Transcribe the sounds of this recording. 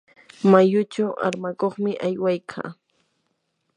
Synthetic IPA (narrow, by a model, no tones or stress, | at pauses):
majʊt͡ʃawa̰ɾmakoχmɪʔajwajkʰa̰ː